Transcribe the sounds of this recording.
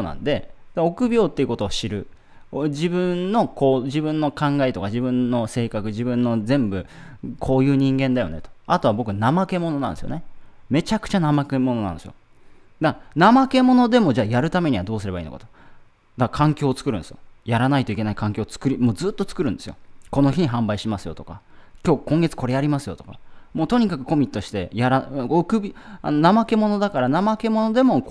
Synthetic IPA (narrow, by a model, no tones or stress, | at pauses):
onã̰nd̪e̞d̪ao̞kɯ̟bʲo̞ːt̪ːeiɯ̟ko̞t̪o̞ːɕiɾɯ̟ | d͡ʑibɯ̟̃nːo̞ko̞ːʑibɯ̟̃nːo̞kãŋɡaet̪o̞kad͡ʑibɯ̟̃nːo̞se̞ːkakɯ̟ʑibɯ̟̃nːo̞zẽ̞mbɯ̟kʰo̞ːjɯ̟ːɲ̟ĩŋɡẽ̞nd̪ajo̞̰ne̞t̪o̥at̪o̞βabo̞k̬ɯ̟namake̞mo̞no̞nã̰nd̪esijo̰neme̞t͡ɕakɯ̟̥t͡ɕanamakemo̞no̞na̰nsɨjo̰ | d̪anamake̞mo̞no̞d̪e̞mo̞d͡ʑaːjaɾɯ̟t̪ame̞ɲ̟iβad̪o̞ːsɨɾe̞baḭːno̰kḁ̰t̪o | d̪akakʰãŋkʲo̞ːt͡sɨ̥kɯɾɯ̟nsɨjojaɾanait̪o̞ikʲe̞naikʰãŋkʲo̞ːt͡sɨ̥kɯ̟ɾʲimoːzɨːt̪ːo̞t͡sɨ̥kɯɾɯ̟̃nd̪e̞sɨjo̞̰ko̞no̞çiɲ̟iɦãmbaiɕimasɨjo̞t̪o̞̥ka̰ | kʲo̞ːkõŋɡe̞t͡sɨ̥ko̞ɾe̞jaɾʲimasɨjo̞̰t̪o̞ka̰moːt̪o̞ɲ̟ikakɯ̟̥ko̞mʲit̪ːo̞ɕi̥t̪e̞jaɾaokɯ̟bʲia̰nonamake̞mo̞no̞d̪akaɾanamake̞mo̞no̞d̪e̞mo̞